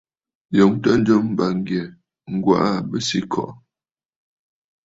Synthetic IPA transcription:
jo˨˦ŋtə˦n̩˦d͡ʒə˦m˦ba˨ŋ˦ɡjɛ˨ | ŋ̩˦ɡwa̰˦˨ʔa˦bə˦si˦kʰɔ̰˨ʔ

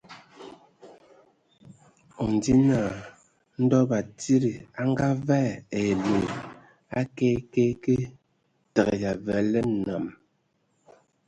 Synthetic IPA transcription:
o˨n˨di˦naː˦˨ | n̩˦dɔ˦ba˨ti˦ɾi˨a˦ŋ˦ɡa˦vɛ˦˨e˨le˨ | a˦ke˦ke˦ke˦ | tɛ˨ɣe˨ja˨vɛ˨˦lɛ˦n˨na˨m

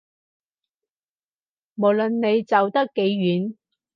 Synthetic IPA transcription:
mo˨˩wlɵ˨nːe˨˧jt͡sɐ˨wt̪ɐ˥kːe˨˧˥jːyː˨˥n

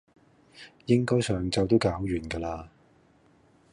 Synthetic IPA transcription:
jɪ˥ŋkɔː˥jsœː˨ŋt͡sɐ˨wt̪o˥wkaː˨˥wjyː˨˩nkaː˧laː˧

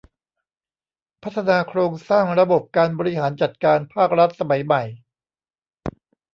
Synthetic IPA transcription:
pʰa˦˥t̪ʰːa˧naː˧kʰɾoː˧ŋsaː˥˩ŋɾa˧bo˨˩p̚kaː˧nbɔː˧ɾi˦˥ɦaː˩˦nt͡ɕa˨˩t̪̚kaː˧npʰaː˥˩k̚ɾa˦˥t̪̚sa˧ma˩˦jma˨˩j

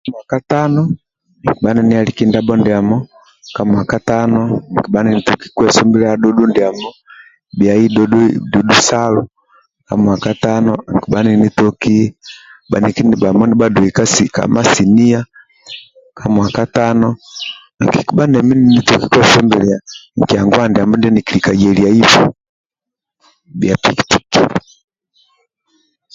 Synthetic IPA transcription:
mwa˨ka˦ta˦nɔ˦ | ŋ˨ki˨ɓa˦nɛ˦ni˦a˨li˦ki˦nda˦bɔ˦ndi˨a˨mɔ˦ | ka˨mwa˨ka˦ta˦nɔ˦ŋ˨ki˨ba˦ni˨ni˨tu˨ki̥˦kwɛ˨sɔ˦mbi˦lɛ˦a˦dɔ˦du˦ndi˨a˨mɔ˦ | bi˨a˨i˦dɔddu˨du˦sa˦lu˦ | ka˨mwa˨ka˦ta˦nɔ˦˨ŋ˨ki˨ɓa˦ni˨ni˦tɔ˦ki˦ba̰˨ni˨ki˦niba˨mɔ˦ni˦ba˦du˨ika˦si˨ka̰˨ma˦si˨ni˦a˦ | ka˨mwa˨ka˦ta˦nɔ˦˨ | ki˨ki˨ba˦nɛ˨mi˦ni˨ni˦tɔ˦ki˦kwɛ˦fɛ˦mbɛ˨lia˨ŋ˨ki˨a˨ŋɡwa˦ndi˨a˨mbɔ˦ndi˦ni˨ki˨lika˨d͡ʒɛ˨lia˨i˦fṵ˦ | bja˨pi˨kti̥˨kḭ˨

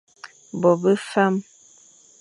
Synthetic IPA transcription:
bɔ˨bə˦fa˦m

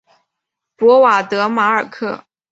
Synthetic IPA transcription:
pwɔ˧˥wa˨˩t̪ɤ˧˥ma˧˥ə˞˨˩kʰɤ˥˩

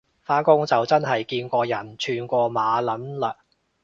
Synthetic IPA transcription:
faː˥kʊ˥ŋt͡sɐ˨wt͡sɐ˥nɦɐ˨jkiː˧nkʷɔː˧jɐ˨˩nt͡ʃʰyː˧nkʷɔː˧maː˨˧lɐ˨˥nlɐː˧

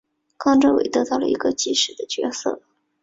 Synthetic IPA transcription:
kʰɑ˥˧ŋʈ͡ʂɤ˥we˨˩ɪt̪ɤ˧˥t̪ɑ˥˩ʊlə̰˩i˧˥ɡə˧t͡ɕi˥˩ʂɻ̩˨˩d̪ə˦t͡ɕɥɛ̰˧˥sɤ̰˥˩

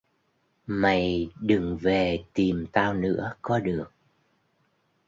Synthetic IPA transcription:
ma˨˩jɗɨ˨˩ŋve˨˩t̪i˨˩mt̪aː˧wnɨ̰˧˥əkɔ˨˦ɗɨ˨˩ək̚

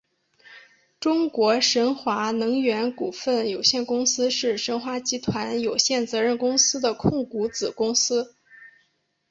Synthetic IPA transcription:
ʈ͡ʂʊ˥ŋkwɔ˧˥ʂə˧˥nxwa˧˥nɤ˧˥ŋɥɛ˧˥nku˨˩fə˥˩njo˨˩ʊɕjɛ˥˩nkʊ˥ŋsɹ̩˥ʂɻ̩˥˩ʂə˧˥nxwa˧˥t͡ɕi˧˥t̪ʰwa˧˥njo˨˩ʊɕjɛ˥˩nt͡sɤ˧˥ɻə˥˩nkʊ˥ŋsɹ̩˥d̪ə˨kʰʊ˥˩ŋku˧˥t͡sɹ̩˨˩kʊ˥ŋsɹ̩˥

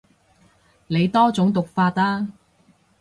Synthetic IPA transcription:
le˨˧jt̪ɔː˥t͡sʊ˨˥ŋt̪ʊ˨k̚faː˧t̚laː˥

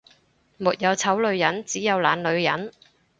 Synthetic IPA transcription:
muː˨t̚jɐ˨˧wt͡sʰɐ˨˥wlɵ˨˧ɥjɐ˨˥nt͡siː˨˥jɐ˨˧wlaː˨˧nlɵ˨˧ɥjɐ˨˥n

